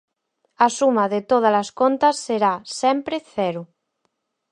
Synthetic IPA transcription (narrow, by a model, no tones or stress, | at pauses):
asumaðet̪oð̞alaskont̪asːeɾasɛmpɾeθɛɾu